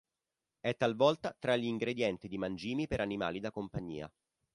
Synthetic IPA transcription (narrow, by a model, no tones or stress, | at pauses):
ɛt̪ːalvɔlt̪at̪ɾaʎiŋɡɾed̪jɛnt̪id̪imand͡ʒiːmipeɾanima̰ːlid̪akompaɲːḭːa̰